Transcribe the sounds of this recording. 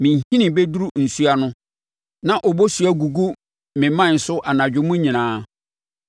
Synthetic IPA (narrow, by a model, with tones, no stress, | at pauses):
mɪ̃˨ɲ˨hĩ˦nɪ̃˨be˦du˦ɾu˦n̩˨su˦a˨nʊ̃˦ | nã˨ʔɔ˨bo˦su˨æ˦ɡu˨ɡu˦ | mɪ̃˨mã˦˨n̩˨sʊ˦ʔa˨nã˨d͡ʑᶣɪ˦mʊ̃˦ɲĩ˨nãː˨˦